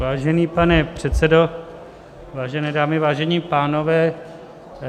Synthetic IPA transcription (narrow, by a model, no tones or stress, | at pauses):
vaːʒɛniːpanɛpr̝̥ɛt̪sɛdo | vaːʒɛnɛːdaːmɪvaːʒɛɲiːpaːno̞vɛː